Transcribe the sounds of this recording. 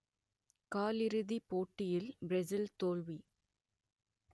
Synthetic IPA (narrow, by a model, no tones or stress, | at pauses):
kaːlɪɾɯðipoːʈːɪjɪlbɾɛsɪlt̪oːlʋi